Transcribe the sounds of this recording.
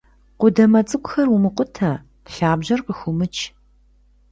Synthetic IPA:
qʷʊdɐmɐt͡sʼɨkʷʼʊxɐrwʊmɨqʷʊtʰɐ | ɬaːbʑɐrqəxʷʊmɨt͡ʃʰ

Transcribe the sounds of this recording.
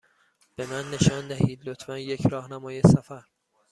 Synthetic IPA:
b̥e̞mænːe̞ʃɒːnd̪æɦiːd̪lot̪ʰfænje̞cʰɾɒːhnæmɒːjesæfæɾ

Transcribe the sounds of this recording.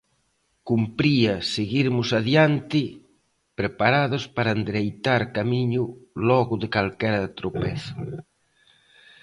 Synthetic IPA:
kumpɾiɐseɣiɾmʊsaðjant̪ɪ | pɾepaɾaðospaɾand̪ɾejt̪aɾkamiɲʊlɔɣʊðekalkɛɾɐðt̪ɾopɛθḁ

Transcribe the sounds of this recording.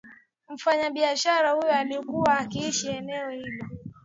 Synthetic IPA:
m̩faɲaɓiaʃaɾahujɔaliɔkuwaːkiiʃiɛnɛɔhilɔ

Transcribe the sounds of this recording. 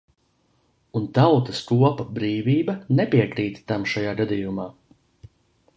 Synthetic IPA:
unt̪awt̪ɐskuɔpabɾiːviːbɐnepʲiɛkɾiːt̪t̪amʃajaːɡad̪ijumaː

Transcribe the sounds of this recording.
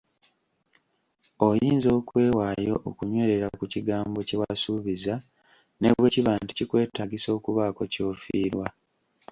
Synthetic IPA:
ojiːnzo̞ːkwe̞ːwaːjo̞̰ʔːkuɲwe̞ːɾe̞ɾakuciɡaːmbo̞cewasuːβiza | nḛβweciβaːnti̥cikwe̞ːtaɡiso̞ːkuβaːko̞co̞ːfiːɾwa

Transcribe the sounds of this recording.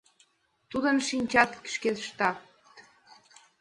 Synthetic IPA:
t̪ud̪ənʃinʲt͡ɕɑt̪kə̥ʃket̪ʃt̪ɑ | t̪

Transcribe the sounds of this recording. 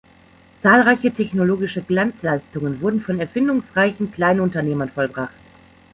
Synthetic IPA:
t͡saːlʁaɪçətʰɛçnoloːɡɪʃəɡlant͡slaɪstʊŋənvʊɐdn̩fɔnɛɐfɪndʊŋsʁaɪçn̩kl̥aɪnʊntɐneːmɐnfɔlbʁaχt

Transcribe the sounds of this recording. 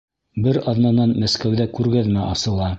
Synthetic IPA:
bɘɾɑðnɑnɑnmæskæwðækʉɾɡæðmæʔɑsɤ̆lˠɑ

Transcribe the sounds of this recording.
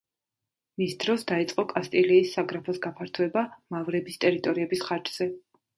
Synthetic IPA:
misd̪ɾɔsd̪ait̪sʼqʼɔkʼast̪ʼilɛisːaɡɾapʰɔsɡapʰaɾt̪ʰuɛbamavɾɛbist̪ʼɛɾit̪ʼɔɾiɛbisχaɾd͡ʒz̥ɛ

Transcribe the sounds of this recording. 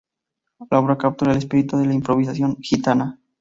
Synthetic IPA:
laoβɾakap̚t̪uɾaelespiɾit̪uðe̞laimpɾoβ̞is̬asjo̞ŋxit̪ana

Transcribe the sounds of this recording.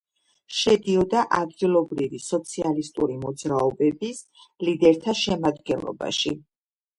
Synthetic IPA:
ʃɛd̪iɔd̪aʔad̪ɡilˠɔbɾivisɔt̪sʰialist̪ʼṵɾimɔd̪zɾaɔbɛbis | lid̪ɛɾt̪ʰaʃɛmad̪ɡɛnlˠɔ̰ba̰ʃi

